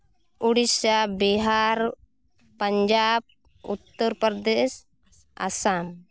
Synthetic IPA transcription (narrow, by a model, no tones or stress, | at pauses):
uɽisabiɦaɾ | pəɲd͡ʒab̚ | ut̪ːəɾpəɾd̪ɛs | a̰san